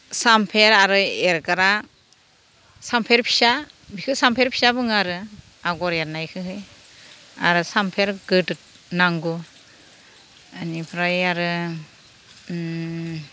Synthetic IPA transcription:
sampʰeɾaɾɯeɾɡaɾa | sampʰeɾpʰi̥sa | bikʰɯsampʰeɾpʰi̥sabɯŋaɾɯ | aɡɔɾaɾnajkʰɯɦɯj | a̰ɾɯsampʰeɾɡɯtɯ | naŋɡu | anipʰɾajaɾɯ

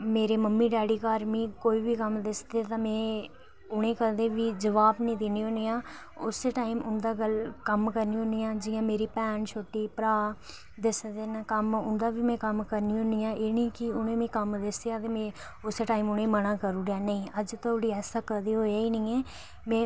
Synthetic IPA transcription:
meːɾeːməmːĩːɖɛːɽiːkaːɾmĩːkoːiːʋiːkəmd̪ɪsd̪eːt̪ãːmɛ̃ː | ʊɽ̃ẽːkəɾd̪eːʋiːd͡ʒəʋaːbnĩːd̪eniõːniːãː | ʊseːʈaːimʊnd̪aːɡəlkəmkəɾnĩːõnijãːd͡ʒɪjãːmeːɾiːpɛːnt͡ʃʰoːʈːiːpəɾaː | d̪ɪsd̪eːnkəmʊnd̪aːʋiːmɛ̃ːkəmkəɾniːõnijãːʔeːniːkɪʊnẽːmɛ̃ːkəmd̪ɪsd̪eːaːt̪eːmɛ̃ː | ʊseːʈaːiːmʊnẽːmənãːkəɾuːɾaːnəĩːəd͡ʒt̪aʊɽiːɛːsaːkəd̪eːɦoːjaːiːnĩːɛː | mɛ̃ː

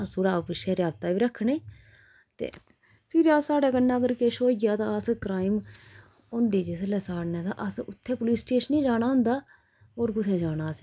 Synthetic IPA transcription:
sʊːɽaːbɪʃɛːɾjaːb̚t̪aːʋiːɾəkʰːɳeː | t̪ḛː | pʰɪɾaːsaːɽeːkənːaːəɡəɾkeːʃoːiɡjaːt̪ãːəskɾaːim | ʊnd̪eːd͡ʒeslɛsaːɽnẽːt̪ã̰ːʔəsʊt̪ʰːẽːpʊliːsʈeːʃənĩːd͡ʒaːɽaːɦʊ̃nd̪aː | ɦoːɾkʊt̪ʰɛːd͡ʒaːɽaːs

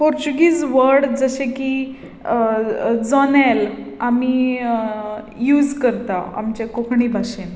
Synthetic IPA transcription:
poɾt͡ɕuɡiːd͡zʋəɾɽd͡zəɕẽki | d͡zɔnelami | juːd͡zkəɾt̪aa̰mt͡ɕekokʰɳiːbʱaɕen

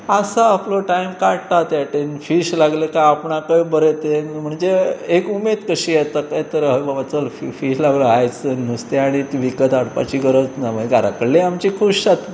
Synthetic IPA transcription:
asaːploʈajmkaɽt̪at̪jaʈenfiɕlaɡlekaapɳakəjbəɾet̪enm̤əɳd͡zeekumed̪kəɕijɛt̪əkajt̪əɾɦəjbabat͡səlfifiɕlaɡləajt͡sənust̪eaɽ̃it̪ʋikət̪aɽpa̰t͡ɕiɡəɾət͡snaə̃ɡaɾakəɽleamt͡ɕikʰuɕsat̪

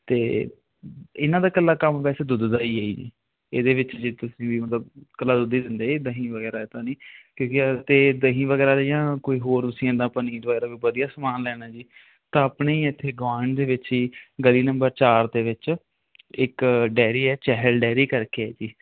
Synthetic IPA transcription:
t̪eː | ɪnãːd̪aːkəlːaːkəmʋɛːseːd̪ʊd̪d̪aːiːaːḭːd͡ʒḭː | eːd̪eːʋɪt͡ʃd͡ʒeːt̪ʊsĩːʋiːmət̪ləbkəlːaːd̪ʊd̪iːd̪ɪnd̪eːd̪əɦĩːʋəɡɛːɾaːet̪ãːniːkjõːkɪt̪eːd̪əɦĩːʋəɡɛːɾaːjãːkoːiːɦoːɾt̪ʊsĩːãːd̪ãːpəniːd̪ʋəɡɛːɾaːʋiːʋəd̪ijaːsəmaːnlɛːɽ̃aːd͡ʒiː | t̪ãːəpɳeːiːɪt̪ʰːeːɡʋaːɳd̪eːʋɪt͡ʃiːɡəliːnəmbəɾt͡ʃaːɾd̪eːʋɪt͡ʃ | ɪkɖɛːɾiːɛːt͡ʃɛːɦəlɖɛːɾiːkəɾkeɛːd͡ʒiː

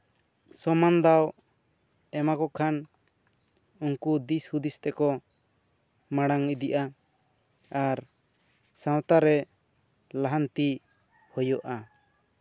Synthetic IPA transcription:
sɔmand̪aw | ɛmakɔkʰan | uŋkud̪ishud̪ist̪ɛkɔ | maɽaŋid̪iʔa | aɾ | sãwt̪aɾɛ | laɦant̪i | hɔjɔʔa

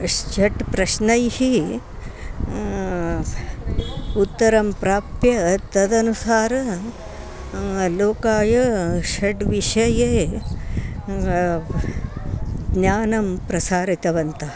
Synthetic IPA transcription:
t͡ʃɐʈpɾɐʃnɐjhi | ut̪ːɐɾɐmpɾaːpjɐt̪ɐd̪ɐnusaːɾɐ | loːkaːjɐʃɐʈʋiʂɐjeː | ɡnaːnɐmpɾɐsaːɾit̪ɐʋɐnt̪ɐ

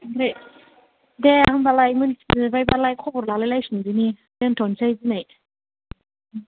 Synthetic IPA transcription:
ɾe | deahɯnbalajmɯnsbajbalajkʰɔbɔɾlalajlajsunzini | dentʰɔnsajzinaj

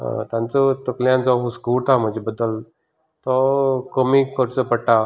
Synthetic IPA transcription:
ə̰t̪jãnt͡sət̪əkljãnd͡zɔɦuskult̪ʰam̤əd͡ʑebəd̪ːəl | t̪ɔkəmiːkəɾt͡səpəɽʈa

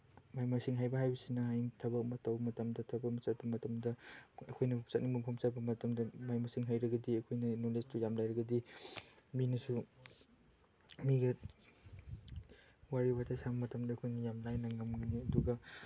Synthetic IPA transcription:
majmasiŋɦajbɐɦajbɐsinɐɦajntʰɐbɐk̚mɐtɐwbmɐtɐmdɐtʰɐbɐmt͡ʃɐt̚bɐmɐtɐmdɐɐkʰojnɐt͡ʃɐt̚nimuŋpʰɐmt͡ʃɐt̚bɐmɐtɐmdɐmajmasiŋɦajɾɐɡɐdiɐkʰojnɐnolestujamlajɾɐɡɐdi | minɐsu | miɡɐ | waɾiwatʰasabɐmɐtɐmdɐːkʰojnɐjamlajnɐŋɐmɡniɐduɡɐ

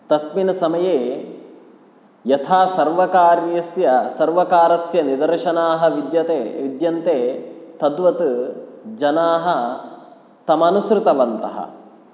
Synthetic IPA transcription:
t̪ɐsminɐsɐmɐjeː | jɐt̪ʰaːsɐɾʋɐkaːɾjɐsjɐsɐɾʋɐkaːɾɐsjɐnid̪ɐɾʃɐnaːɦɐ̆ʋid̪jɐt̪eːʋid̪jɐnt̪eːt̪ɐd̪ʋɐt̪ | d͡ʒɐnaːɦɐ̆ | t̪ɐmɐnusɾɪt̪ɐʋɐnt̪ɐɦɐ̰

